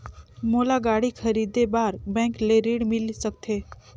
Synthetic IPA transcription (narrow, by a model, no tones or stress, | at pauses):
molaɡaɽikʰəɾid̪ebaɾbɛ̃kleɾiɽmilsəkt̪ʰe